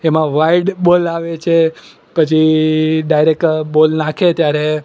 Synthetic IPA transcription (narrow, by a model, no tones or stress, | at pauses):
emãʋaiɖbolaʋet͡ʃʰe | pət͡ʃʰiɖajɾek̚ʈbolnakʰet̪jaɾe